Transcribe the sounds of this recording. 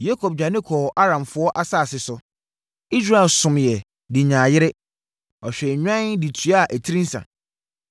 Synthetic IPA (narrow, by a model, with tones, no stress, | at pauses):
je˦kʰo˨b̚d͡ʑᶣa˨nɪ̃˦kʰɔ˨ʔa˦ɾã˨mfʊ˦ɔ˦ʔa˦saː˦˨sɪ˨sʊ˨ | i˦s̬ɾa˦ɛ˨lsʊ̃˨mjɛ˨ | dɪ˨ɲãː˨jɪ˦ɾɪ˦ | ɔ˨ɕᶣɛ˨ɲᶣã˦ndi˨tʰy˨˦a˦˨ʔæ˨tʰi˦ɾĩ˦n̩˦sã̰˨